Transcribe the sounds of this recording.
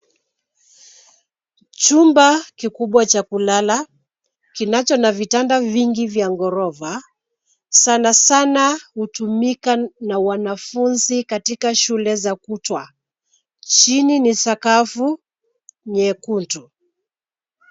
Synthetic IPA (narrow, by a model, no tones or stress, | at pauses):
t͡ʃumbakikuɓwat͡ʃakulala | kinat͡ʃɔnavitandaviŋɡivjaŋɡɔɾɔva | sanasanahutumikanawanafunzikatikaʃulɛzakutwa | t͡ʃininisakafu | ɲɛkuntu